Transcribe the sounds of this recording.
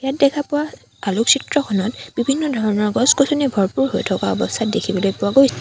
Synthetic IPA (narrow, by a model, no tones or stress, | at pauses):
jat̚dɛkʰapʊwa | aluksitɹɔkʰɔnɔtb̥ibʱinːɔdʱɔɹɔnɔɹɡɔskotʰɔnibʱɔɹpuɹho̰jtʰɔkaɔbɔstʰat̚dekʰibɔlojpʊwaɡojsi